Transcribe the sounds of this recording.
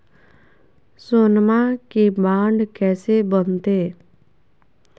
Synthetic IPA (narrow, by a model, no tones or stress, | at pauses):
sonmãkibaːɳɖkɛːsebənt̪eː